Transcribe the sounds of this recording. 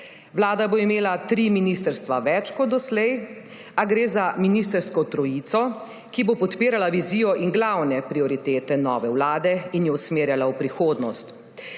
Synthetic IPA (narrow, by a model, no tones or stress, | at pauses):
wlaːd̪aboimeːlat̪ɾiminist̪əɾst̪ʋaʋɛt͡ʃkɔd̪d̪ɔslɛj | aɡɾeːzaminist̪əɾskɔt̪ɾɔjit̪sɔ | kibopɔt̪piːɾalaʋiziːjɔʔiŋɡlawnɛpɾiɔɾit̪eːt̪ɛnɔːʋɛwlaːd̪ɛinjɛwsmeːɾjalaupɾixoːd̪nɔst̪